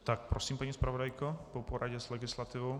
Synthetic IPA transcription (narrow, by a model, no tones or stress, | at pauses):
t̪ak̚pɾɔsiːmpaɲispɾaʋɔd̪ajkɔpɔpɔɾʔaɟɛz̥lɛɡislat̪iːʋɔʊ